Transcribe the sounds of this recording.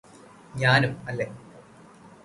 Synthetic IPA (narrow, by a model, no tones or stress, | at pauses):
ɲaːnumɐlːe